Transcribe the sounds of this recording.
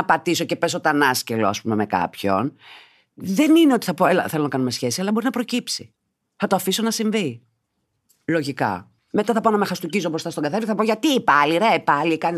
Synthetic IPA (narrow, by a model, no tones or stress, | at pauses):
ɐpɐt̪iso̞ce̞pe̞so̞t̪ɐnɐsceloɐ̰spume̞me̞kɐ̰pço̞̰n | ðe̞nine̞o̞t̪i̥θɐpo̞elɐ̰θe̞lonɐkɐnume̞sçe̞siɐlɐbo̞ɾinɐpɾo̞cipsi | θɐt̪oɐfiso̞nɐsiɱvi | lo̞ʝikɐ̰ | me̞t̪ɐθɐponɐmexɐst̪ucizopɾost̪ɐsto̞ŋɡɐθeɾiθɐpo̞ʝɐt̪iːpɐliɾepɐlikɐn